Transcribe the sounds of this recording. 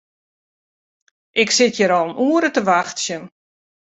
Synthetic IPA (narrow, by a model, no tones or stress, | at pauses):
ʔɪksɪtjəɾɔlˠənuːəɾətəʋaxtsjən